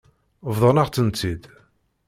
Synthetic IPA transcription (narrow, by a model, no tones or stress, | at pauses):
vðˤənaʁt͡s̪ːənt͡s̪ːid̪